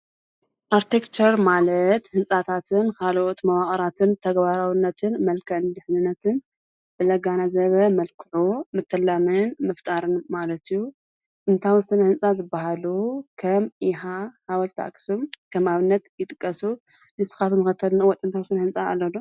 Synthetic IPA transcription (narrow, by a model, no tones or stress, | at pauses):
ʔaɾt̪ʰekt͡ʃʰɐɾmalɐt̪hɨnsʼat̪ʰat̪ʰɨnkʰalʔot̪mɐwaχʼɐɾat̪ʰɨnt̪ʰɐɡbaɾawinːɐt̪ʰɨnmɐlkʰɐʕɨnd̪ɨħnɨnːɐt̪ʰɨn | b̥ɨlɐɡanazɐβɐmɐlkʰɨʕumɨt̪ʰːɐlːamɨnmɐft̪ʼaɾɨnmalɐt̪ijːu | t̪ʼɨnt̪ʰawɨsɨnɐhɨnsʼazɨbːaɦalukʰɐmʔɪɦahawɐlt̪ʰa̰kʼsumkʰɐmaβɨnːɐt̪jɪt̪ʼɨkʼːɐsu | nɨsɨ̥xat̪ʰumɨkɐt̪ʰːɐlnwɔt̪ʼɨnt̪ʰawst̪ɨnɐhɨnsʼaːlːɐd̪o